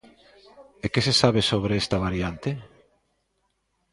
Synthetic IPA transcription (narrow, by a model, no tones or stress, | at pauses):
ekesesaβ̞esoβɾeest̪ɐβaɾjant̪e